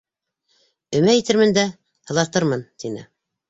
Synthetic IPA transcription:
ɵ̆mæjɘ̆t̪ɘ̆ɾmɘnd̪æ | hɤ̆lˠɑt̪ɤɾmɤnt̪inɘ̰

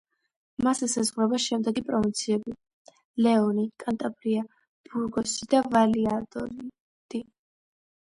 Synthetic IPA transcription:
masɛsazʁwɾɛbaʃɛmd̪ɛɡipʼɾɔmɔt̪sʰiɛbi | lɛɔnikʼant̪ʼapʼɾia | b̥uɾɡɔsid̪avaliad̪ɔɾ | d̪̥i

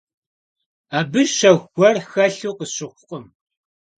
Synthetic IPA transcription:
aːbɨʒʃɐxʷɔrxɐɬuːqəɕɪxʷʊqʼəm

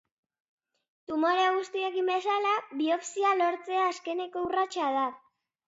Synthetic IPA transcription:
t̪umo̞ɾeaɣ̞ust̪ie̞kimbe̞salaβio̞fsialo̞ɾt͡se̞aːske̞ne̞ko̞urat͡ʃað̞a

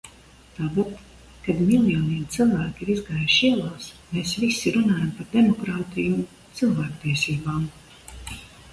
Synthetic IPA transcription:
t̪aːpat̪ | kad̪milˠjɔːniɛmt̪sɨlˠvæːkʲiɾizɡaːjʃiɛlˠaːsmeːsvisːiɾunaːjampaɾd̪emɔkɾaːt̪iju | t̪sɨlˠvæːkt̪iɛsiːbaːm

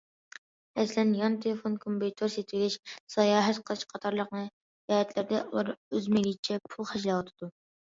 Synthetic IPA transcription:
ɛslɛnjɑnt̪ʰelˠɨfonkʰompit̪ʰoɾset̪ʰwɪɡʲɪʃsɑjɑːɦɛt̪qʰəlˠɨʃqʰɑt̪ʰɑɾlˠəqnɨ | jɑːhɛt̪ʰlɪɾd̪ɛṵlˠɑɾøzmelʲit͡ʃʰɛpʰulˠχɛʃlˠɑwɑt̪ʰɨd̪u

